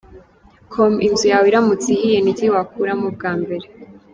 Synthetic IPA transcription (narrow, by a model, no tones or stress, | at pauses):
kʰominzujaːwiɾamut͡sihijenitiwakuɾamub̚ɡaːmbe̞ɾe